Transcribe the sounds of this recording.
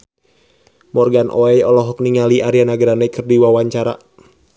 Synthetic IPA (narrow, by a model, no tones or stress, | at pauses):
mɔrɡanʔɔɛjɔlɔɦɔk̚niŋaliʔaɾianaɡɾanɛkɨrdiwawaɲt͡ʃaɾa̰